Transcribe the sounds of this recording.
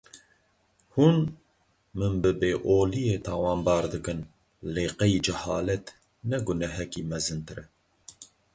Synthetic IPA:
hun | mɨnbɨbeːʔoːlijeːt̪ʰɑːwɑːmbɑːɾd̪ɨkɨn | leːqɛjid͡ʒɛhɑ̰ːlɛt̪ | nɛɡʊnɛɦɛkiːmɛzɨnt̪ɨɾɛ

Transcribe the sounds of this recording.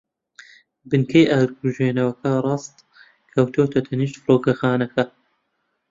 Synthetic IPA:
bɨnkʰɐjʔaːɾɡuʒeːnɐwɐkʰɐrˤɑːst̪ | kʰɐwt̪ʰoːt̪ʰɐt̪ʰɐniːʃt̪fɨɾoːkɐxaːnɐkɐ

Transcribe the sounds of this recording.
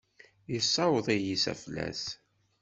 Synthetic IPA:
jəsːɑwəðˤijisæ̰flæ̰s

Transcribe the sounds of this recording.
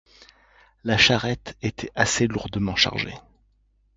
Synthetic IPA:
laʃaʁɛt̪et̪ʰɛaseluʁd̪əmɑ̃ʃa̰ʁʒḛ

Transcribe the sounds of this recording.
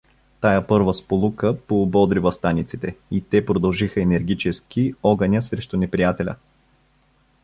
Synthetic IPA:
t̪ajəpɤɾvəspolˠukəpoːbɔd̪ɾivɐst̪anit̪sit̪ɛit̪ɛpɾod̪ɐlˠʒixəɛnɛɾɡʲit͡ʃɛsk̟iɔɡənʲəsɾɛʃt̪ʊnɛpɾijat̪ɛlʲə̰

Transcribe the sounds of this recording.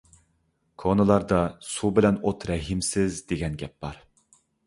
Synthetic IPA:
kʰonɨlˠɑɾd̪ɑsubɪlɛnot̪ɾɛɦimsɪzd̪eɡʲɛnɡʲɛp̚bɑɾ

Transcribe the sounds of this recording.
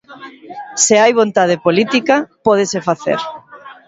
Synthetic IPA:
seajβ̞ont̪að̞epolit̪ikapɔð̞esefaθḛɾ

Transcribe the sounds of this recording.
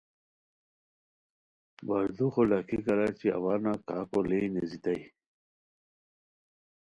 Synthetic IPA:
baɾd̪uxolakikɐɾaːt͡ɕia̰waːnakaːkolenezit̪aj

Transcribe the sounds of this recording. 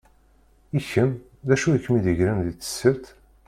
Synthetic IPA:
içəm | ðæʃujəkːmiðəʝɾænðiθə̥sːəɾt̪

